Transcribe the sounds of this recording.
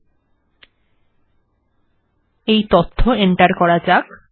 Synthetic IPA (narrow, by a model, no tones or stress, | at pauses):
ejt̪ot̪ʰːoeɳʈaɾkɔɾad͡ʑak